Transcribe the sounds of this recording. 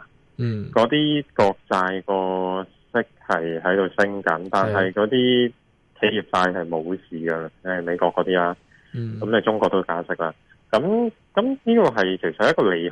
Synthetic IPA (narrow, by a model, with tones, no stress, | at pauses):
kɔː˨˥t̪iː˥kɔː˧k̚t͡saː˧jkɔː˧ | sɪ˥k̚hɐ˨jɦɐ˨˥jt̪o˨˧wsɪ˥ŋkɐ˨˥nt̪aː˨˩nɦɐ˨jkɔː˨˥t̪iː˥ | kʰe˨˥ji˨p̚saː˧jɦɐ˨jmo˨˧wsiː˨ɡɐ˧˨˥nɐ˨˩me˨˧jkɔː˧kːɔː˨˧˥t̪iː˥laː˥ | kɐ˨˥mnɐ˨˩t͡sʊ˥ŋkɔː˧k̚t̪o˥kaː˨˥sɪ˨˥k̚laː˧ | kɐ˨˥m | kɐ˨˥mniː˥kɔː˧ɦɐ˨jkʰe˨˩sɐt̪̚hjkɔː˧le˨˩j